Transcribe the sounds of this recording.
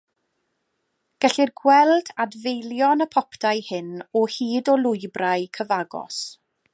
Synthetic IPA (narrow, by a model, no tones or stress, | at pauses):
ɡ̥ɛɬirɡwɛlˠdadvejljɔnəpʰɔpʰd̥ajhɪnɔhiːdɔlˠʊɨbrajkʰəvaɡɔ̰s